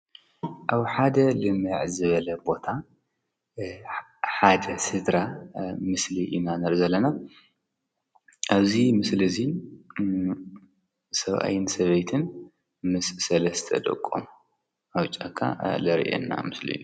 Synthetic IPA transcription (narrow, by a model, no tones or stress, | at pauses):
ʔaβħad̪ɐlɨmɨʕzɨβɐlɐbo̞t̪ʰa | ħad̪ɐsɨd̪ɾamɨsliʔinanɐɾzɐlːɐna | ʔaβzimɨslɨzi | sɐβʔa̰jɪnsɐβɐjt̪ʰɨn | mɨssɐlɐst̪ʰɐ̰d̪ɐ̰kʼːo̰m | awt͡ʃʼakʰːa̰lɐɾḭʔḛnːa̰mɨslḭju